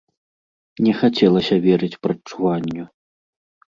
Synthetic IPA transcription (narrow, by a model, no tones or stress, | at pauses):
nʲɛxat͡sʲɛlˠɐsʲɐvʲɛɾɨt͡sʲpɾɐt͡ʂːuvanʲːu